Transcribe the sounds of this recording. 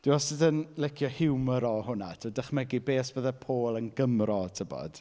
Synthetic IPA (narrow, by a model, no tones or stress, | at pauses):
d̥ɪwɔsɪdənlˠɛkʰjɔhɪwməɾɔhʊnatʰədəχmɛɡibeːsbəðɛpʰoːlˠənɡəmrɔtʰəbɔ̰d̥